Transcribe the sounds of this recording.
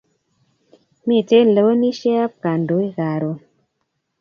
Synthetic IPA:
mi˦˨te˦n̩˨lə˨˦o˦ni˦ʃɛ˦a˦p̚ka˨ndo˨˦i˦ɣa˨ɾo˨

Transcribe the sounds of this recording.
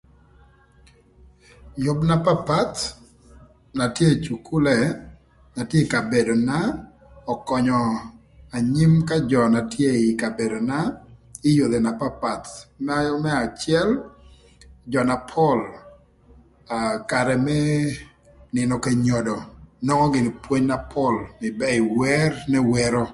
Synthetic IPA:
jʊ˦bna˦pa˦pa˦t̪ | na˨tje˦t͡ʃu˨kʰu˦lɛ˨ | na˨tje˦ka˨be˨do˨na˦ | ɔ˨kɔ˨ɲɔ˨ | a˨ɲi˦mka˦d͡ʒɔ˨na˨tje˦ɪ˨ka˨be˨do˨na˦ɪ˦jo˨d̪e˨na˨pa˦pa˨t̪mɛ˦jmɛ˦a˨t͡ʃɪɛ˦l | d͡ʒɔ˨na˨pʰɔ˦l | aka˨ɾɛ˨mɛ˦ | nɪ˨nɔ˨ke˨ɲo˨dɔ˨nɔ˦ŋɔ˦ɡɪ˨n˨pwo˦ɲna˦pʰɔ˦lmɪ˨bɛ˦ɪ˨wɛ˦rnɛ˦wɛ˦ɾo˦

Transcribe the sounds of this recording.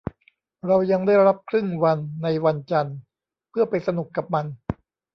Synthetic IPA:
ɾa˧wja˧ŋda˥˩jɾa˦˥p̚kʰɾɯ˥˩ŋwa˧nːa˧jwa˧nt͡ɕa˧n | pʰɯ˥˩ɐpa˧jsa˧nu˨˩kːa˨˩p̚ma˧n

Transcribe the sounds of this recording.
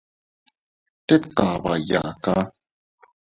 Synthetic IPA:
te˦t̪ka˨ba˨ja˨ka˦

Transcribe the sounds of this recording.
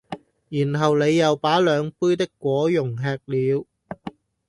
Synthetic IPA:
jiː˨˩nɦɐ˨wne˨˧jːɐ˨wpaː˨˥lœː˨˧ŋpuː˥jt̪ɪ˥kːʷɔː˨˥jʊ˨˩ŋɦɛː˧k̚liː˨˧w

